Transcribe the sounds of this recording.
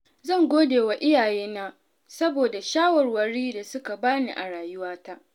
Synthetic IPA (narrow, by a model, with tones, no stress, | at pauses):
zɐ˦˨ŋɡʷoː˦deː˨wa˨ʔɪ˦jaː˨jeː˦na˦ | sɐ˦boː˨da˨ʃaː˦wɐ˨rwɐ˨ɾiː˦da˨sʊ˦ka˨baː˦nḭ˨ʔa˨ɽaː˨jʊ˦waː˦ta˦ʔ